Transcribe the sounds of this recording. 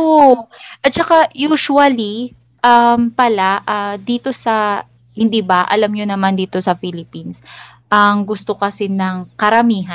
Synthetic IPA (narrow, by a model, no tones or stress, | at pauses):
ʔoʔɐt̪̚t͡ʃɐkajuːʃuɐli | ʔɐmpɐlaʔaːd̪iːt̪o̞sɐ | hɪnd̪iːbɐʔɐ̰lamɲonɐmand̪iːt̪o̞sɐfilɪpins | ʔɐŋɡʊst̪o̞kɐsɛnɐŋkɐɾɐmiːɦɐ